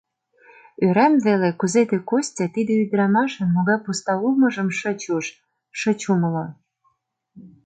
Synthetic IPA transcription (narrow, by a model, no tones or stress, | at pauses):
øɾæmvelekuzet̪ĕkosʲtʲɑt̪id̪ĕyd̪ɾɑmɑʃə̆nmoɣɑjpust̪ɑulmɤ̆ʒə̆mʃət͡ɕuʃ | ʃə̆t͡ɕumə̆lo